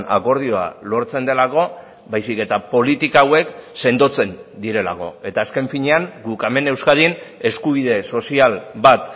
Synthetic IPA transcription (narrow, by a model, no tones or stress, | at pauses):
na̰ko̞ɾð̞io̞a̰lo̞ɾt͡se̞nd̪e̞lako̞ | bajsike̞t̪apo̞lit̪ikaːwe̞kse̞nd̪o̞t͡se̞nd̪iɾe̞lako̞̰e̞t̪aːske̞ɱfiɲe̞aŋɡukame̞ne̞wskaðin | e̞skuβ̞ið̞e̞so̞sialβat̪